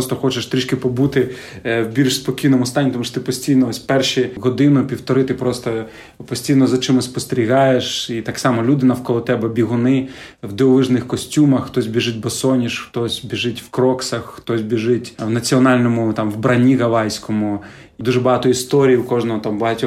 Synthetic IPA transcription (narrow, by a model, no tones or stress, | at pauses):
ɔst̪ɔxɔt͡ʃeʃt̪ɾʲiʃkʲɪpɔbut̪ɪ | wbʲiɾɪʃspɔkʲijnɔmʊst̪ɑnʲːit̪ɔmuʃɔt̪ɪpɔsʲtʲijnɔɔsʲpɛrʃiɦɔd̪ɪnʊpʲiwt̪ɔɾɪt̪ɪpɾɔst̪ɔ | pɔsʲtʲijnɔzɐt͡ʃɪmɪspɔst̪eɾʲiɦɑjeʃit̪ɑksɑmɔlʲud̪ɪnɐwkɔlˠɔt̪ɛbɛbʲiɦʊnɪ | wd̪eɔlˠɪʒnɪxkɔsʲtʲumɐxxt̪ɔsʲbʲiʒɪt̚ʲbɐsɔnʲiʃxt̪ɔsʲbʲiʒɪtʲwkɾɔksɐxːt̪ɔsʲbʲiʒɪtʲwnɐt͡sʲiɔnɑlʲnɔmʊt̪ɑmwbɾɐnʲiɣɐlˠɑjsʲkɔmʊ | d̪uʒɛbɐɦɑt̪ɔist̪ɔɾʲijiukɔʒnɔɦɔt̪ɑmbɐɦɐtʲɔ